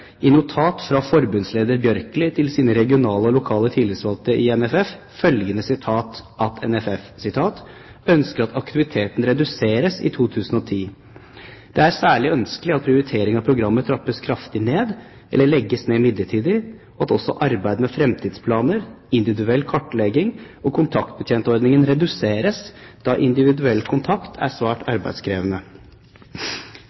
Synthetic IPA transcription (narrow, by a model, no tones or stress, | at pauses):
ɪnʊt̪ʰɑːt̪fɾɑfɔɾbʉnsleːd̪əɾbjœɾkəlɪt̪ʰɪlsiːnəɾɛɡɪʊnɑːləɔlʊkʰɑːlət̪ʰɪlɪɾsʋɑlt̪əʔɪɛnɛfɛf | fœlɡənəsɪt̪ʰɑːt̪ʔɑt̪ʰɛnɛfɛfsɪt̪ʰɑːt̪ | œnskəɾɑt̪ʰɑkt̪ɪʋɪt̪ʰeːt̪n̩ɾɛd̪ʉseːɾəsɪ̰t̪ʰuːt̪ʰʉːsən̩ɔt̪ʰiː | d̪̥ɛæɾsæːɭɪœnskəlɪɑt̪̚pʰɾɪʊɾɪt̪ʰeːɾɪŋɑpʰɾʊɡɾɑmːət̪ʰɾɑpːəskʰɾɑft̪ɪneːd̪ | ʔɛ̰lːəɭɛɡːəsneːmɪd̪ləʈʰiːd̪ɪ | ʔɑt̪ɔsɔ̰ʔɑɾbæɪd̪mɛfɾɛmt̪ʰiːd̪spʰlɑːnəɾ | ɪnd̪ɪʋɪd̪ʉɛlːkʰɔʈːlɛɡɪŋ | ɔkʰʊnt̪ʰɑk̚t̪̚bət̪ʰjeːnt̪əɔɾd̪nɪŋənɾɛd̪ʉseːɾəsd̪̥ɑʔɪnd̪ɪʋɪd̪ʉɛlːkʰʊnt̪ʰɑkt̪ʰæ̰sʋæːʈɑ̰ɾbæ̰ɪd̪skʰɾeːʋənə